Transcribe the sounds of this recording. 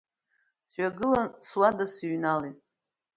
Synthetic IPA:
sɥʷᶣaɡɨlanswadasiɥnalitʼ

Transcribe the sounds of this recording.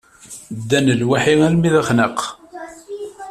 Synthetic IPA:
d̪ːænəlwaħiælmiðəχnəq

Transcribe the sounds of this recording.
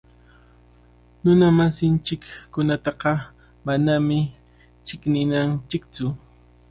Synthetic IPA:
nʊnamasɪnt͡ʃɪkːʊnat̪ɑqɑ | manamɪ | t͡ʃɪknɪnant͡ʃɪkt͡sʊ

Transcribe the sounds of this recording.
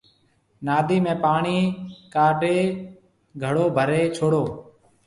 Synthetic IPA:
naːd̪iːmẽːpaːɳiːkaːɖeː | ɡʱəɽoːbʱəɾeːt͡ʃʰoːɽoː

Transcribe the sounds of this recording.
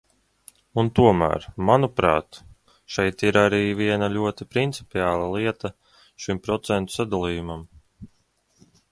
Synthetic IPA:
unt̪uɔmæ̰ːɾmanupɾɑ̰ːt̪ | ʃɛjt̪iɾaɾiːviɛnalʲuɔt̪ipɾint̪sipʲiaːlˠalˠiɛt̪a | ʃimpɾɔt̪sɛnt̪u̥sad̪alˠiːjumam

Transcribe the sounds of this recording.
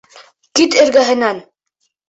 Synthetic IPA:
kit̪ɘ̆ɾɡæɦɘ̆næn

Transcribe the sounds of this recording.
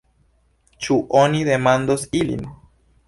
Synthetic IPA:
t͡ʃuʔonide̞mandosilḭn

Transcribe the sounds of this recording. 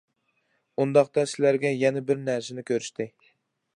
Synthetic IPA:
und̪ɑqt̪ɑsɪlæɾɡʲɛjɛnɛbɪɾnæɾsɪnɪkʲʰøɾyʃt̪ʰɪ

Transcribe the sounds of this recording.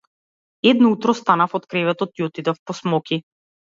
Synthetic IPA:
ɛd̪nɔut̪ɾɔst̪anafɔt̪kɾɛvɛt̪ɔt̪iɔt̪id̪afpɔsmɔki

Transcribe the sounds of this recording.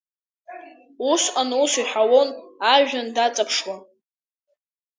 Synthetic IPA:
usanusiħawo̞naʒᶣandat͡sʼapʰʂwa

